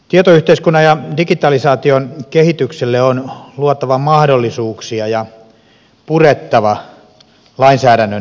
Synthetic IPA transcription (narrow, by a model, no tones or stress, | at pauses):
t̪iet̪oyht̪eiskunːɑjɑdikit̪ɑlisɑːt̪ionkehit̪ykselːeonluot̪ɑʋɑmɑhdolːisuːksiɑjɑ | puret̪ːɑʋɑ | lɑinsæːɾænːøn